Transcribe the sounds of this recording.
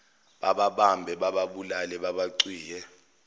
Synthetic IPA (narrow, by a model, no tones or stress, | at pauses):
ɓaɓaɓambʱɛɓaɓaɓulalɛɓaɓaǀiːjɛ